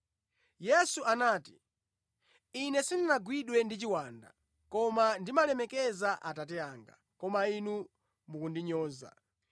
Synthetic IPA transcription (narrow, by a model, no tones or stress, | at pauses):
jɛsuʔanaːti̥ | inɛsindinaɡwiɗwɛndit͡ʃiwaːnda̰ | kɔmandimalɛmɛkɛzaʔatat̬ɛaːŋɡa̰ | kɔmainu | mukundiɲɔːza̰